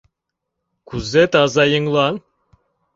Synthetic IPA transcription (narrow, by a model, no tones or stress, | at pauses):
kʉzɘt̪ɑzɑjɤ̆ŋlˠɑn